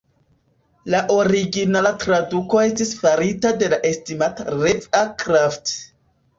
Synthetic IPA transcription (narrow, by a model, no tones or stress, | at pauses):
laʔo̞ɾiɡinalatɾaduko̞e̞stisfaɾitade̞laʔe̞stimataɾevakɾaft